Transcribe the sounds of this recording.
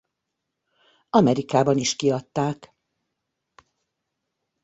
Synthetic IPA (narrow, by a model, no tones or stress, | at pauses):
ɒmɛɾikaːbɒniʃkiɒt̪ːaːk